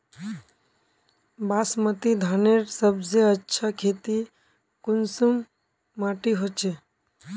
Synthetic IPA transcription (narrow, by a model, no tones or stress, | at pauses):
baːsmət̪id̪ʱaːneɾsəbseətːʃʰakʰeːt̪i | kʊnsumː | aːʈiɦoːt͡ʃʰe